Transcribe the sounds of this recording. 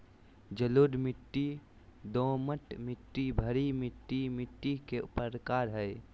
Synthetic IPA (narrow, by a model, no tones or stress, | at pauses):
d͡ʒəloːɖmiʈːi | d̪õməʈmɪʈːibʱəɾimiʈːimiʈːikeʊpəɾəkaɾɦɛɪ